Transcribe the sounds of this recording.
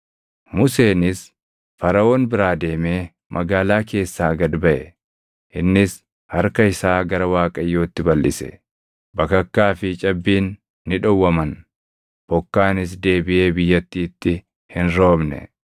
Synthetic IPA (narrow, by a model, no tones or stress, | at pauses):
mʊse̞ːnɪs | fɐɾɐo̞ːnbɪɾaːd̪e̞ːme̞ː | mʔɐɡaːlaːke̞ːsːaːɡɐd̪bɐʔɛ̰ | ʔɪnːɪs | hɐɾkɐɪsaːɡɐɾɐwaːkʼɐjːo̞ːt̪ːɪbɐlːɪ̰sɛ̥̰ | bɐkɐkːaːfɪt͡ʃʼɐbːiːnː | ɪᶑɔwːɐmɐn | b̥ɔkːaːnɪs̬d̪e̞ːbɪʔe̞ːbɪjːɐt̪ːiːt̪ːɪ | hɪnɾo̞ːbnɛ̰